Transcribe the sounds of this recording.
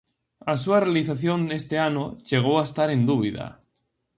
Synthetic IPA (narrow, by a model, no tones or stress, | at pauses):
as̬uarealiθaθjond̪est̪eanoʃeɣ̞owaest̪aɾend̪uβiða̰